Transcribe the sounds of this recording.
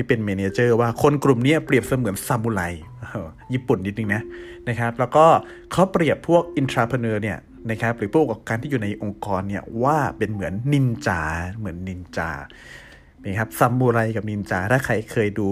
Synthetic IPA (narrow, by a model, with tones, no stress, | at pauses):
tiː˥˩pe˧nmeː˧neː˧t͡ɕɤː˥˩waː˥˩kʰo˧nklu˨˩mniː˦˥ɐpɾi˨˩əp̚sa˧mɯ˩˦ənsa˧mːuː˧ɾa˧jː | jiː˥˩pu˨˩nʔi˧t̪̚nɯ˧ŋna˦˥ | na˦˥kʰa˦˥p̚lɛː˦˥wkɔː˥˩ | kʰa˦˥wpɾi˨˩əpʰːu˥˩ək̚ʔi˧nt̪ʰɾaː˧pʰa˧nɤː˧ni˥˩ɐ | na˦˥kʰa˦˥p̚ɾɯː˨˦pʰu˥˩ka˨˩kaː˧nt̪ʰiː˥˩juː˨˩na˧jʔo˧ŋkɔː˧nːi˥˩ɐwaː˥˩pe˧nmɯ˩˦ənːi˧nt͡ɕaː˧mɯ˩˦ənːi˧nt͡ɕa̰ː˧˩ | i˧˦˩kʰa˦˥p̚sa˧mːuː˧ɾa˧jka˨˩p̚ni˧nt͡ɕaː˧t̪ʰaː˥˩kʰa˧˩jkʰɤː˧jduː˧